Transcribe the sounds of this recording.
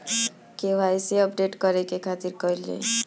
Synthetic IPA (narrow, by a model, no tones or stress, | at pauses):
keʋajseəpɖeʈkəɾekekʰat̪iɾkɔilḛ